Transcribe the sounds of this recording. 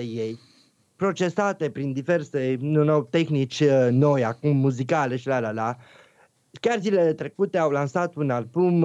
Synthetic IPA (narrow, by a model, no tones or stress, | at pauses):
eje̞j | pɾo̞t͡ʃe̞sat̪e̞pɾind̪ive̞rse̞nunowt̪e̞xnit͡ʃʲno̞jakumːuzikale̞ʃilalala | kʲarzilele̞t̪ɾe̞kut̪e̞awlansat̪unalbum